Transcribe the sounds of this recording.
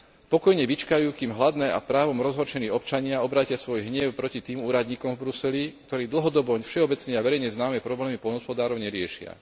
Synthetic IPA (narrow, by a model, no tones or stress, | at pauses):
pɔkɔjɲɛʋit͡ʃkajuːkiːmɦlad̪nɛːʔa̰pɾaːʋɔmɾɔzɦɔɾt͡ʃɛniːɔpt͡ʃaɲɪaɔbɾaːcɪasʋɔjɦɲɪɛʊpɾɔcit̪iːmuːɾad̪ɲiːkɔmvbɾusɛlik̚t̪ɔɾiːd̪l̩ɦɔd̪ɔbɔɲfʃɛɔbɛt͡sɲɛaʋɛɾɛjɲɛznaːmɛpɾɔblɛːmipɔlnɦɔspɔd̪aːɾɔʊɲɛɾɪɛʃɪa̰